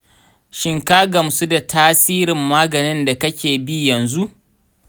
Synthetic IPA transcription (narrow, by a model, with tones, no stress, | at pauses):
ʃɪ˦ŋka˦ɡɐ˨msu˦da˨tʰaː˦siː˦ɾɪ˨mːaː˦ɡɐ˨nɪ˦nda˨kɐ˦kʲeː˨bi˦jɐ˨nzu˦ʔ